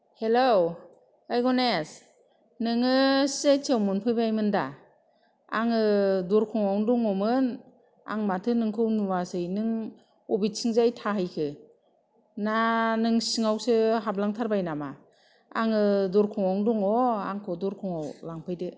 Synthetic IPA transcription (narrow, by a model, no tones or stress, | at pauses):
helow | ajɡɔnes | nɯŋɯsetʰiewmɯnpʰɯjbajmɯnda | aŋɯdɔɾkʰɔŋawŋduŋɔmɯn | a̰ŋmatʰɯnɯŋkʰɯwnuwasɯjnɯŋ | ɔbit̚sʰiŋzajtʰaɦɯjkʰɯ | nanɯŋsiŋawsɯɦablaŋtʰaɾbajnama | aŋɯdɔɾkʰɔŋawŋduŋɔa̰ŋkʰɔdɔɾkʰɔŋawlaŋpʰɯjdɯ